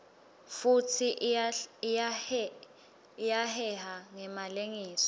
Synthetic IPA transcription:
futʰiʔ | jahɛhaŋɛmaleŋiːsɔ̥

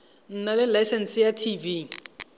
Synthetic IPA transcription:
n̩nalɪlasɛnsjatʰivi

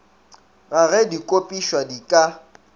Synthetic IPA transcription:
ɣaɣɛdikʼopʼiʃwadikʼa

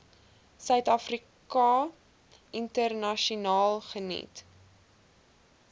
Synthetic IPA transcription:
sœɥtɐfri | kɑ | ʔintərnɐʃunɑːlˠχənḭt

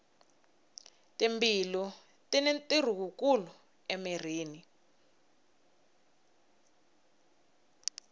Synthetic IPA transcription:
timbilɔ | tinetir̤uk̬uk̬ulɔ | emir̤iːni

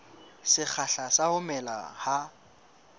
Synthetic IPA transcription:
sɪk͡xʰaɬasaʊmɛla̰ha

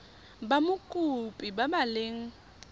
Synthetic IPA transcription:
bamʊkʼupʼibamalɪŋ̩

